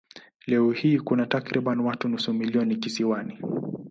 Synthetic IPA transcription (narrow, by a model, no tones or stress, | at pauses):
lɛɔhiːkunatakɾiɓanwatunusumiliɔnikisiwani